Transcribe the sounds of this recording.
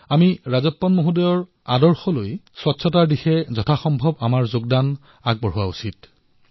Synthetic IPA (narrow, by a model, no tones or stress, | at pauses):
amiɹazɔpːɔnmoɦudɔjɔɹ | a̰dɔɹxɔlojswɔtsʰɔtaɹdixɛzɔtʰaxɔmbʱɔbamaɹzoɡdan | aɡ̚bɔɹɦuwausit